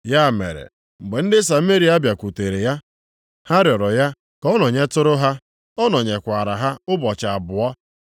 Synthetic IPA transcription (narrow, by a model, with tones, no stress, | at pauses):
ja˦˨mḛ˨ɾḛ˨ | ŋ͡m̩˨ɡ͡be˨n̩˦dɪ˦sa˨˦me˦ɾi˨˦a˦bja˨kʷu˨te˨ɾe˨ja˦ | ha˦ɾjɔ˨ɾɔ˨ja˦ | kɔ˦nɔ˨ɲe˦tʊ˦ɾʊ˦ɦa˦ | ɔ˦nɔ˨ɲe˨kʷa˨ɾa˨ɦa˦ʊ˦bɔ˨t͡ʃa˨a˨bʊ˨ɔ˦